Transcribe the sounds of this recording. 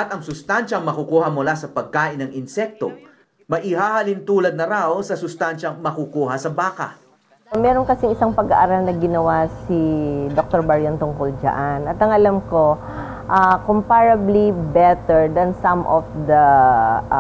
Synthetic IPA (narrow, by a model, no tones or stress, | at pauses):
ʔɐt̪ɐŋsʊst̪anʃɐŋmɐkukuːhɐmʊlasɐpɐɡ̚kaːʔɪnːɐŋɪnsɛk̚t̪o̰ | mɐʔɪhaːhɐlint̪uːlɐd̪̚nɐɾawsɐsʊst̪anʃɐŋmɐkukuːɦɐsɐbaːkɐ̰ | mɛːɾoŋkɐsɪŋɪsaŋpɐɡa̰ʔaɾalnɐɡɪnɐwasid̪ok̚t̪oɹbɐɹjɐnt̪ʊŋkʊld͡ʒɐ̰ʔanʔɐt̪ɐŋʔɐlamko̞ | ʔakompaɹɐblibɛt̪ɛɹd̪ɐnsɐmʔɔfd̪ɐ